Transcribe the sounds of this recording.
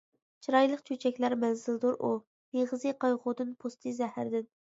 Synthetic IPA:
t͡ʃʰiɾɑjlˠəqt͡ʃʰøt͡ʃʰɛkʲlæɾmɛnzɪld̪oɾʔu | neʁəzɨqʰɑjʁʊd̪ɨnpʰost̪ʰɨzɛhæɾd̪ɪn

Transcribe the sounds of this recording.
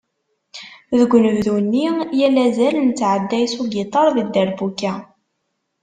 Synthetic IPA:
ðəɡʷnəvðunːijælæzælnət͡sːʕəd̪ːæjsuɡit̪ˤɑɾˤðid̪æɾbukːæ

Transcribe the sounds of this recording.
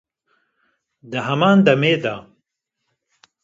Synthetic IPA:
d̪ɨɦɐmaːnd̪ɐmeːd̪a

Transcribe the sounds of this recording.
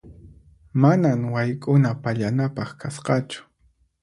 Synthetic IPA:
manaŋwajkʼʊnapaʎanapɑχkʰasqɑt͡ʃʊ̥

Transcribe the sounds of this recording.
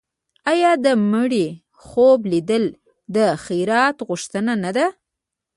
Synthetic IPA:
ɑjɑd̪əməɽi | xoblid̪əl | d̪əxijɾɑt̪ɣʊʃt̪ənanad̪a

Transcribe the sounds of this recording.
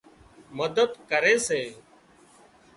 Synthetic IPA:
məd̪əd̪kəɾeːseː

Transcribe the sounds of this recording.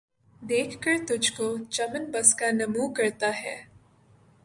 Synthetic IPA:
d̪eːkʰkəɾt̪ʊd͡ʒʱkot͡ʃɐmənbɐskanɐmuːkɐɾt̪aɦɛ̰ː

